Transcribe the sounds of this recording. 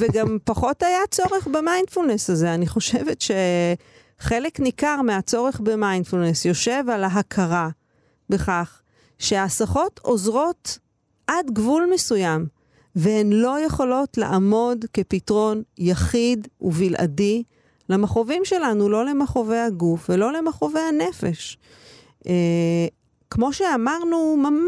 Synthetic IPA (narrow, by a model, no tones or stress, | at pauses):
veɡampaχo̞tajat͡so̞ʁeχbemajnfulnesaze̞aniχo̞ʃe̞vetʃe̞ | χeleknikaʁmeat͡so̞ʁeχbemajnfulnesjo̞ʃe̞valaɦakʰaʁa | be̞χaχ | ʃeasaχo̞tʰo̞zʁot | ʔadɡvulmesujam | veenlo̞je̞χo̞lo̞tlḛʔamo̞dke̞pitʁo̞njaχiduvilʔa̰di | lamaχovimʃe̞lanulo̞lemaχovejaɡufvelo̞lemaχovejane̞fe̞ʃ | e | kmo̞ʃeamaʁnuma